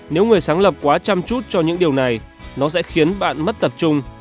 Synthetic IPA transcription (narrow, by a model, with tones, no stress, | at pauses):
ne˨˦wŋɨ˨˩əjsaː˨˦ŋlə˨˩p̚kwaː˨˦t͡ɕa˧mt͡ɕu˦˥t̚t͡ɕɔ˧ɲɨ̰˧˥ŋɗi˨˩əwna˨˩j | nɔ˨˦sɛ̰˧˥xi˨˦ənɓa̰ː˧˨nmə˦˥t̚t̪ə˨˩p̚t͡ɕʊ˧ŋ͡m